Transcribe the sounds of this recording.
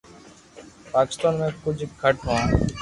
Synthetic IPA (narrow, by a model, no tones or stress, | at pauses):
paki̥st̪anmekʰːud͡ʑikʰːaʈɦɔ̃a